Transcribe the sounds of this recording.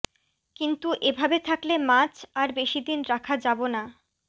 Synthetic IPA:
kint̪uʔebʱabet̪ʰaklemat͡ɕʰaɾbeʃid̪inɾakʰad͡ʑabona

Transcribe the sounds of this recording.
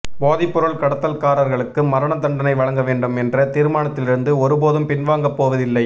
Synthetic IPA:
boːðɪpːʊɾɐɭkɐɽɐt̪ːɐlkaːɾɐɾɣɐɭɯkːɯmɐɾɐɳɐt̪ɐɳɖɐnɐɪʋɐɭɐŋɡɐʋeːɳɖɯmɛndrɐt̪iːɾɯmaːnɐt̪ːɪlɪɾɯnd̪ɯɔɾɯpoːðɯmpɪnʋaːŋɡɐpːoːʋɐðɪlːɐɪ

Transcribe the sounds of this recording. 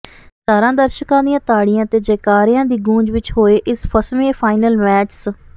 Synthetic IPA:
saːɾãːd̪əɾʃəkãːd̪ijãːt̪aːɽɪjãːt̪eːd͡ʒeːkaːɾjãːd̪iːɡũːd͡ʒʋɪt͡ʃɦoːeːʔɪspʰəsmẽːpʰaːɪnəlmɛːt͡ʃs

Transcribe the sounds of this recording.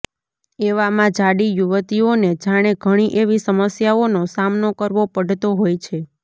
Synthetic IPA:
eʋamãd͡ʒaɽijuʋət̪ioned͡ʒaɽ̃eɡʱəɽ̃iʔeʋisəməsjaonosamnokəɾʋopəɖʱt̪oɦojt͡ʃʰe

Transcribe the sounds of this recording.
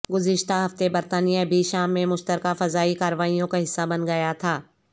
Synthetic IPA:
ɡʊzɪʃt̪aɦɐft̪ebɐɾt̪aːnijabʱiʃaːmːẽmʊʃt̪əɾkafɐzaːikaːɾəʋaːijõkaɦɪsːabɐnɡɐjat̪ʰaː

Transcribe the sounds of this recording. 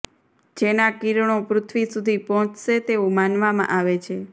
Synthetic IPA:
d͡ʒenakiɾɳ̃opɾʊt̪ʰʋisud̪ʱipɔɦɔ̃t͡ʃʰʃet̪eomanʋamã̰ʔaʋet͡ʃʰe

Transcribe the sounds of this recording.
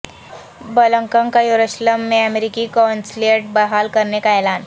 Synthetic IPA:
bələŋkəŋkajuɾuɕləmːeəmeɾikikawnsleʈ̚bəɦalkəɾnekaelaːn

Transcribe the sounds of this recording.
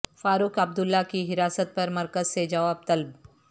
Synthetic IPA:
faːɾukɐb̚d̪ʊlːakiɦɪɾaːsət̪̚pɐɾmɐɾkəzsed͡ʒɐʋaːb̚t̪ɐlb

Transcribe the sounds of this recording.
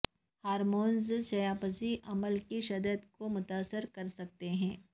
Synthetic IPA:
haːɾmoːnzʃɐjaːpəziʔɐməlkiʃɐd̪əd̪komʊt̪aːsəɾkɐɾsɐk̚t̪eɦɛ̃ː

